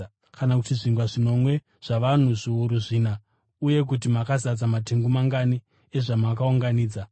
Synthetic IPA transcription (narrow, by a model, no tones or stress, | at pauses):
kanakutiʐiŋɡwaʐino̞mwe̞ | ʐ̥aʋan̤uʐiuɾuʐiːna | uje̞k̬ut̬imakazat͡samate̞ŋɡumaŋɡani | e̞ʐamakauŋɡaniːd͡za